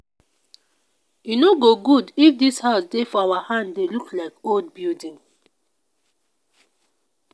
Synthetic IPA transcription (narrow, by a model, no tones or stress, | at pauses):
junoɡoɡudifdishaʊsdefɔawahãnddeluklaɪkold̚bildĩn